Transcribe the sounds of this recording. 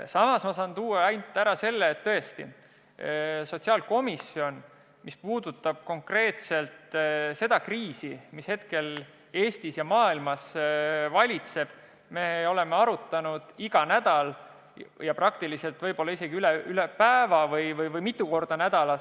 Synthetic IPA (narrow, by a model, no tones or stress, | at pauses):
sɑmɑsmosɑnt̪uːɑɑjnt̪ːˑæɾɑse̞lːeːt̪ːɤe̞st̪ḭ | so̞t̪ʲsiɑːlko̞misio̞n | mispuːd̪̥ut̪ˑːɑb̥ko̞ŋkre̞ːt̪se̞lt̪se̞d̪̥ɑkriːsimishe̞t̪ke̞l | e̞ːst̪isjɑmɑːilmɑsvɑlʲit̪se̞b̥̚ | me̞o̞le̞meɑɾut̪ːˑɑnud̪̥iɡ̥ɑnæd̪̥ɑl | jɑprɑkt̪ilise̞lt̪vɤjbo̞lːɑise̞ɡiyleylepæevɑvɤjvɤjvɤjmit̪ˑːuko̞rd̪̥ɑnæd̪ɑlɑ